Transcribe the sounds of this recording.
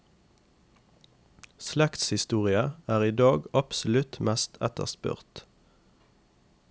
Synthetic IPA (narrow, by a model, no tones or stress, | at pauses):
slɛkt̪shɪst̪uːʁɪəæːʁiːd̪ɑːɡɑpsɔlʉt̪mæst̪ʰɛt̪ə̰ʁspʉ̰ʁt̪